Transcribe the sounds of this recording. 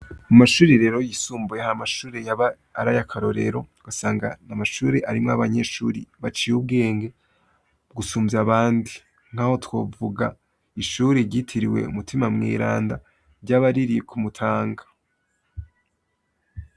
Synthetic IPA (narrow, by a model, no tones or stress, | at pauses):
amaʃuːɾeɾe̞ːɾo̞jisuːmbujehamaʃuːɾejaβaː | ɾajakʰaɾo̞ɾe̞̰ɾo̞ɡ̥asaːŋɡa̰namaʃuːɾe̞ʔaɾimŋaβaɲeʃuɾiβat͡ʃijub̚ɡe̞ːŋɡe̞ | ɡusuːmziaβaːndi | ŋ̥aho̞two̞vuɡa | iʃuːɾeɾɟitʰiɾiwe̞̰ṵmutʰimamŋḭːɾa̰ːnda | ɾɟaːβaɾiɾijekʰumutʰaːŋɡḁ